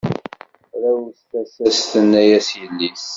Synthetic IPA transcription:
ɾæwsθæsæst̪ənːæjæsjəlːis

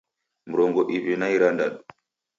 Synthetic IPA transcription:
m̩ɾɔŋɡɔʔiβinajɾandaɗu

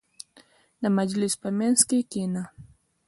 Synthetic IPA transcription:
namad͡ʒlispamɛnskikina

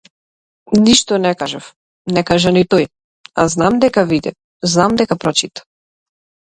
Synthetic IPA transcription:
niʃt̪ɔnɛkaʒaf | nɛkaʒanit̪ɔj | a̰znamd̪ɛkavid̪ɛ | znamd̪ɛkapɾɔt͡ʃit̪ḁ

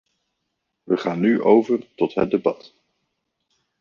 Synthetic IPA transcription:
ʋəχaːnːyʔowvərtɔtɦət̚debɑt

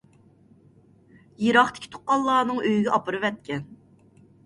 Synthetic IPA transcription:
jeɾɑχt̪ʰɪ̥kʲi̥t̪ʰo̥qqɑlˠːɑːnɨŋøjyɡʲɛʔɑpɨɾɨvɛt̪̚kʲɛn

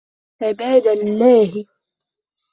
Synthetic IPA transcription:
ʕɪbaːd̪almaːhi

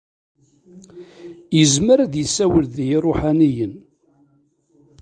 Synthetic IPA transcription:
jəzməɾæðjəsːæwəlðjrˤoħanijən

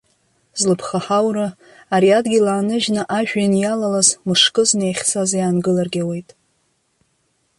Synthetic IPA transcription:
zlɨpʰχaħawɾa | aɾiadɡʲilaːnɨʒnɨʔaʒᶣanjalalazmɨʂkʼɨznejχʲsazjaːnɡɨlarɡʲawe̞jtʼ

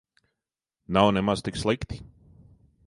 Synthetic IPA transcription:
nawnɛmaz̥t̪ikslˠikt̪i̥

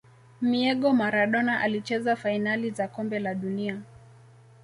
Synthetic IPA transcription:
miɛɠɔmaɾaɗɔnaʔalit͡ʃɛzafainalizakɔmbɛlaɗunia

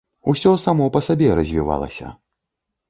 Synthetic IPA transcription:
usʲɔsamɔpɐsabʲɛɾɐzʲvʲiva̰lˠɐ̰sʲɐ̰

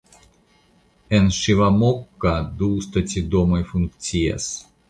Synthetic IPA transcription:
ɛnʃivɐmokːad̪ust̪ɐtʲid̪omɐjfunkt͡sʲia̰s

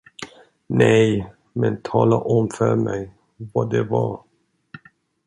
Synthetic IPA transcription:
nɛj | mɛnt̪ʰɑːlaʔɔmfœɾmɛj | vɑd̪ɛvɑ

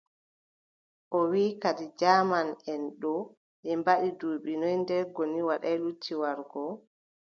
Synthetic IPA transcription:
ʔɔwiːkaɗid͡ʒaːmanɛnɗɔ | ʔɛmbaɗiduːɓinɔjndɛɾɡoniwaɗajlutʰːiwaɾɡɔ

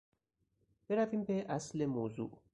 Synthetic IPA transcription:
peɾafimpeʔaslemozṵ

